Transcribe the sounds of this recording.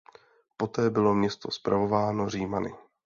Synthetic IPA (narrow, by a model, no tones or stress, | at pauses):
po̞t̪ɛːbɪlo̞mɲɛst̪o̞spɾavo̞vaːno̞r̝iːmanɪ̰